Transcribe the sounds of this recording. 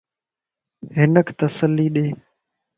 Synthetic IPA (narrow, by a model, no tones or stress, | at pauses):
ɦɪnəkʰt̪əsəlːiːɗeː